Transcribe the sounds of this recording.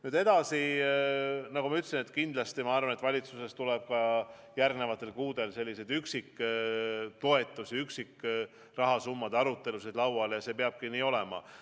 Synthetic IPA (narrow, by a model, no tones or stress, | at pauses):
nyːd̪e̞d̪̥ɑsi | nɑɡumɑyt̪ːˑsinet̪kind̪̥lɑst̪imɑɑrvɑnet̪vɑlʲit̪suse̞st̪uleb̥̚kɑ | jærɡne̞vɑt̪ːˑe̞lkuːd̪e̞lse̞lʲːised̪̥yksikː | t̪o̞e̞t̪ːˑusiyksik | rɑɦɑsumːɑd̪̥ɑɾut̪ːˑe̞lusid̪̥lɑwɑljɑse̞ːpeɑb̥̚kiniːo̞lemɑ̰